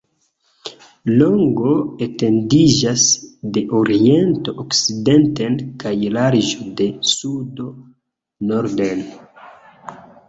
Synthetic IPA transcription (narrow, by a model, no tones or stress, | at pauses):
loŋɡo̞ete̞ndid͡ʒasde̞ʔoɾie̞nto̞ʔokside̞nte̞nkajlaɾiʒode̞sudo̞ | noɾden